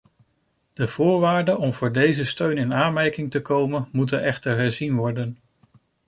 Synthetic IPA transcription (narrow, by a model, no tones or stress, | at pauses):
d̥əv̥ʊːɹʋaːɹdənɔmvʊːɹdejzəstøɥnɪnaːnmɛɹkɪŋtəkowmənmut̬ənʔɛχtəɹɦɛɹzinʋɔɹdən